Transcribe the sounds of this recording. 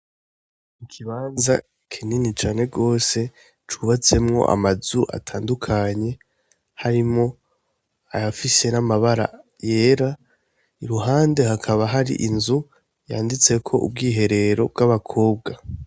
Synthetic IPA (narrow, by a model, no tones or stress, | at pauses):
mikʰiβaːnza | kʰininit͡ʃaːne̞ɡo̞ːse̞ | t͡ʃuβat͡se̞mŋo̞̰ʔa̰mazuʔa̰tʰaːndukʰaɲe̞ | haɾimŋo̞ | a̰jafise̞namaβaɾa̰ | je̞ːɾa | iɾuɦaːnde̞hakʰaβaɦaɾḭʔinzu | jaːndit͡se̞kʰo̞̰ʔṵb̚ɡiːɦe̞ɾe̞ɾo̞bɡaβakʰo̞ːb̚ɡa